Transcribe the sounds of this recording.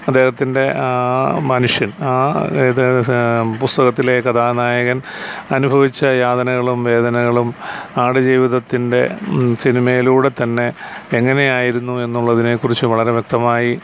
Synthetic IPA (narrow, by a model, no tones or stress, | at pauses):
ɐd̪ːe̞ːhɐt̪ːinde̞amɐnuʂjɐnaː | pust̪ɐɣɐt̪ːilekːɐt̪ʰaːnaːjɐɣɐnɐnubʱɐʋit͡ɕːɐjaːd̪ɐnɐɣɐɭumʋe̞ːd̪ɐnɐɣɐɭumaːɽɨd͡ʑiːʋiðɐt̪ːinde̞sinimɐjiluːɽe̞t̪ɐnːe̞eŋːɐne̞jaːjiɾunːue̞nːuɭːɐðine̞kurit͡ɕːɨʋɐɭɐɾe̞ʋjek̚t̪ɐmaːji